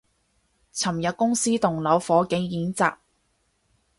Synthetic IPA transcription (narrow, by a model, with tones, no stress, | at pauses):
t͡sʰɐ˨˩mjɐ˨t̚kʊ˥ŋsiː˥t̪ʊ˨˩ŋlɐ˨˥wfɔː˨˥kɪ˨˥ŋjiː˨˥nt͡sa̰ː˨k̚